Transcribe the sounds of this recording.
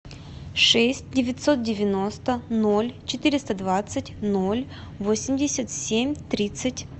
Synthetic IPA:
ʂɛsʲt̚ʲdʲɪvʲɪt̪ʲso̞t̪̚dʲɪvʲɪnost̪əno̞lʲt͡ɕɪt̪ɨɾʲɪst̪əd̪vat̪sɨtʲno̞lʲ | vosʲɪmʲdʲɪsʲət̪sʲemʲt̪ɾʲit̪sɨtʲ

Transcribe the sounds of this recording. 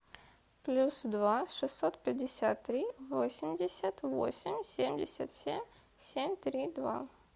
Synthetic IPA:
plʲusd̪vaʂɨsːo̞t̪̚pʲɪdʲɪsʲat̪ːɾʲivo̞sʲɪmʲdʲɪsʲət̪vo̰sʲɪmʲsʲemʲdʲɪsʲət̪sʲemʲ | sʲemʲt̪ɾʲid̪va̰

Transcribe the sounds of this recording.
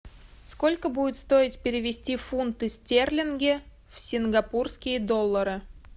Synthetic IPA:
sko̞lʲkəbudʲɪt̪st̪o̞ɪt̪ʲpʲɪɾʲɪvʲɪsʲtʲifunt̪ɨsʲtʲerlʲɪnɡʲɪ | fsʲɪnɡɐpurskʲɪjəd̪o̞lˠːəɾɨ

